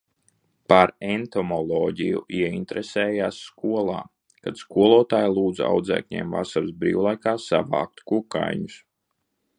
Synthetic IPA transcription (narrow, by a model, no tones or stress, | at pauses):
paɾɛnt̪ɔmɔlˠɔːɟijṵʔiɛint̪ɾesɛːjaːsːkuɔlˠa̰ː | kad̪skuɔlˠuɔt̪aːjalˠuːd̪za̰wd̪zɛ̰ːkɲɛ̰ːmva̰saɾsbɾḭːwlˠajkaːsa̰va̰ːk̚t̪kuka̰jɲus